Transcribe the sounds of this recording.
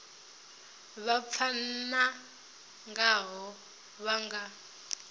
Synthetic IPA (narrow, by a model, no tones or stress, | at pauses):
βap̪fʰana | ŋɡaɦɔ | βaŋɡa